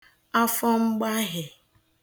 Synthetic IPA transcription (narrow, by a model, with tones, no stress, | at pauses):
a˦fɔ˦ŋ͡m̩˦ɡ͡ba˦ɦɪ˨